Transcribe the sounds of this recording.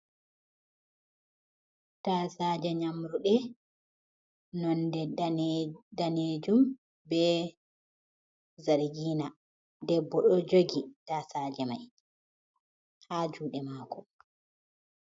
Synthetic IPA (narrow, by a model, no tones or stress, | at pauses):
tasaːd͡ʒɛɲamɾuɗɛ | nɔndɛ | daned͡ʒum | bɛ | zaɾɡiːna | dɛbːɔɗɔd͡ʒoɡitaːsad͡ʒɛmaj | had͡ʒuːɗɛmaːkɔ